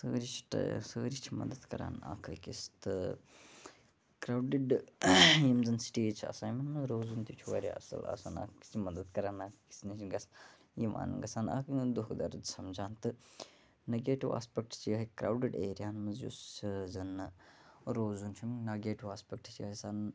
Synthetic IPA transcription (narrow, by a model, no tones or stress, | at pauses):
sə̰ːɾit͡ʃʰi̥ʈsəːɾit͡ʃʰimɐ̰d̪ɐd̪kɐɾa̰ːna̰ːkʰɐkist̪ɨ | kɾaːwɖiɖ | jimzɨnsi̥ʈit͡ʃʰɐ̰saːjmɐnmɐzɾoːzunt̪it͡ʃʰuʋɐ̰ːɾḭɐ̰sɐ̰lɐ̰sana̰ːkki̥sʰimɐd̪əd̪kɐɾaːnaːkki̥snit͡ʃiɡɐs | jima̰ːnɨ̰ŋɡɐsaːna̰ːkʰɨd̪uɦkd̪ɐɾd͡ʒ̪sɐmd͡ʒaːnt̪ɨ | neɡeːʈiʋa̰ːspʲek̚ʈt͡ʃijɐɦikɾa̰ːwɖiɖeːɾijaːnmɐnzjṵszɐn | ɾoːzunt͡ʃʰimnaːɡeːʈiʋaːspʲek̚ʈt͡ʃiɐɦsaːn